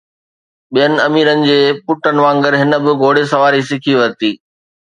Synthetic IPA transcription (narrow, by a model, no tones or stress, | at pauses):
ɓijənɪ̆ɐmiːɾənɪ̆d͡ʑeːpʊʈənɪ̆ʋãːŋɡəɾɦɪnə̆bɪɡoːɽesɐʋaːɾisɪkʰiʋɐɾt̪iː